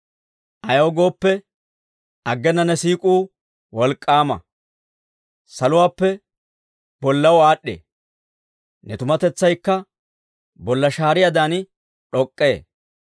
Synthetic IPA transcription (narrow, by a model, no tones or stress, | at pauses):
ʔɐjɐwɡo̞ːpːɛ | ɐɡːɛnːɐnɛsiːkʼuː | wɔlkʼːaːmɐ̰ | sɐlʊwaːpːɛ | b̥ɔlːɐwaːɗːḛː | nɛt̪ʊmɐt̪ɛt͡sːɐjkːɐ | bɔlːɐʃaːɾɪjad̪aːn | ᶑɔkʼːe̞ː